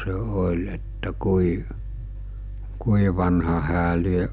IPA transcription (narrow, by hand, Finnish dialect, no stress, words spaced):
se olʲ etːæ kui kui ʋɑnhɑ hæː lieʔ